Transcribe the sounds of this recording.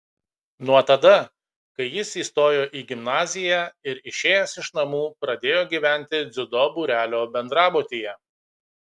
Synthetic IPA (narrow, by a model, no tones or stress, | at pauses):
nuɔt̪ɐd̪ɐ | kɐɪjɪsiːst̪oːjoːʔiːɡʲɪmnɑːzʲɪjæːɪɾɪʃʲeːjɛsɪʃnɐmuːpɾɐd̪ʲeːjoːɡʲiːʋʲæˑnʲˑt̪ʲɪd̪zʲʊd̪ɔbuɾʲæːlʲoːbʲɛnd̪ɾɑːboːt̪ʲijɛ